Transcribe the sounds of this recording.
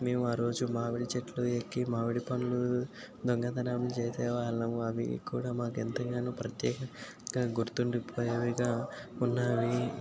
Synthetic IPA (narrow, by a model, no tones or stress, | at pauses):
me̞ːmuaːɾo̞ːd͡ʒumaːʋiɽit͡ʃeʈluekːimaːʋiɽipɐnulu | d̪oŋɡɐd̪ɐnaːmlut͡ʃeːseːʋaːɭnɐmuɐʋḭkuːɽaːmaːkɛnt̪ɐŋɡaːnuːpɾɐt̪jɛːkɐ | ɡaːɡuɾt̪uɳɖuipʰoːjɐʋiɡaːunːaːʋi